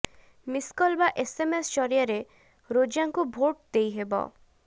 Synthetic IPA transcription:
miskɔlbaʔesemest͡ʃɔɾijaɾe | ɾod͡ʒaŋkubʱoʈ̚d̪ejɦebɔ̰

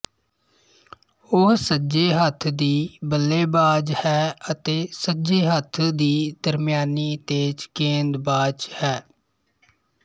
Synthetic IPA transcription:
ʊɦsəd͡ʒeːɦət̪ʰd̪iːbəlːeːbaːd͡ʒhɛːət̪eːsəd͡ʒeːɦət̪ʰd̪iːd̪əɾmɪjaːniːt̪eːt͡ʃkẽːnd̪baːd͡ʒhɛː

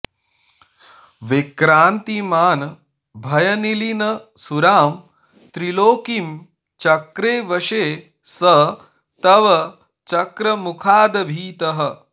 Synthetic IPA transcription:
ʋekɾaːnt̪imaːn | bʱɐjɐnilinɐsuɾaːm | t̪ɾiloːkim | t͡ʃɐkɾeːʋɐʂeː | sɐ | t̪ɐʋɐ | t͡ʃɐkɾɐmukʰaːd̪ɐbʱiːt̪ɐɦɐ

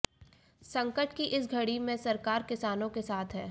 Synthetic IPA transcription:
sɐ̃ŋkəʈkiʔɪsɡʱɐɽimẽsɐɾkaːɾkɪsaːnõkesaːt̪ʰɦɛː

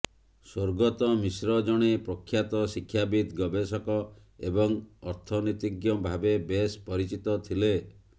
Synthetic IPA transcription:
soɾɡɔt̪ɔmisɾɔd͡ʒɔɽ̃epɾɔkʰːjat̪ɔsikʰːjabid̪ɡɔbesɔkɔ | ḛbɔŋɔɾt̪ʰɔnit̪iɡjɔbʱabebespɔɾit͡ʃit̪ɔt̪ʰile

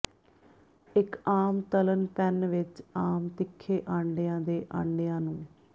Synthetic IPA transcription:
ɪkaːmt̪ələnpɛnʋɪt͡ʃaːmt̪ɪkʰːeːʔãːɳɖejãːd̪eːʔã̰ːɳɖɪjãːnũː

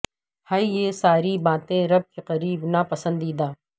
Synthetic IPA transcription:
haːijesaːɾibaːt̪ẽɾɐb̚keqɐɾiːbnapɐsə̃nd̪iːd̪aː

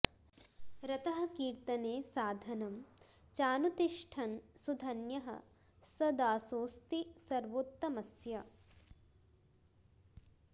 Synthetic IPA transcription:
ɾɐt̪ɐɦɐ̆kiːɾt̪ɐneːsaːd̪ʱɐnɐm | t͡ʃaːnut̪iʂʈʰɐnsud̪ʱɐnjɐɦɐ̰ | sɐd̪aːsoːst̪isɐɾʋot̪ːɐmɐsjɐ

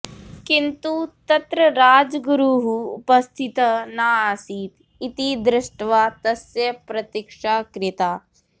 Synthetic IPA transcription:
kint̪ut̪ɐt̪ɾɐɾaːd͡ʒɡɾuɦṵːpɐst̪ʰit̪ɐnaːsiːt̪ | it̪id̪ɾɪʂʈʋaːt̪ɐsjɐpɾɐt̪ikʂaːkɾɪt̪aː

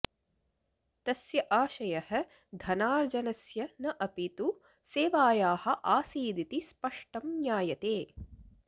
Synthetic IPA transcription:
t̪ɐsjɐʔaːʃɐjɐhɐ̆ | d̪ʱɐnaːɾd͡ʒɐnɐsjɐnɐʔɐpit̪u | seːʋaːjaːhɐ̆ʔaːsiːd̪it̪ispɐʂʈɐmɲjaːjɐt̪eː

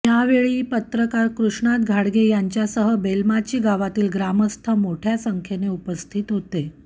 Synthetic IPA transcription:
jaʋeɭiːpət̪ɾəkaɾkɾuʂɳat̪ɡʱaɽɡejaɲt͡ɕjasəɦəbelmat͡ɕiːɡaʋat̪iːlɡɾaməst̪ʰəmoʈʰjasəŋkʰeneupəst̪ʰiːt̪ɦot̪e

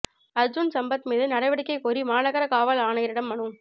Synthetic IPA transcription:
ɐɾd͡ʒunsɐmbɐt̪miːðɯnɐɽɐɪʋɐɽɪkːɐɪkoɾimaːnɐɣɐɾɐkaːʋɐlaːnɐjɪɾɪɽɐmːɐɳɯm

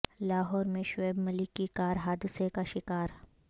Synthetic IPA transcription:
laːɦɔːɾmẽʃweːbmɐlɪkːikaːɾɦaːd̪ɪsekaʃɪkaːɾ

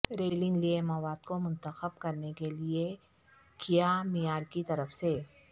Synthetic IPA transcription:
ɾeːlɪ̃ŋɡliemɐwaːd̪komʊ̃nt̪əxəbkɐɾnekelie | kijamɪjaːɾkit̪ɐɾəfse

